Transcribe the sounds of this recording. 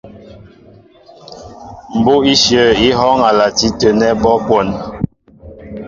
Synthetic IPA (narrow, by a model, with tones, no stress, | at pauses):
m̩˨bo˦i˦ʃjə˨i˦ɦɔ˦ŋa˨la˨ti˦tə˨nɛ˦bɔ˦kwɔ˦˨n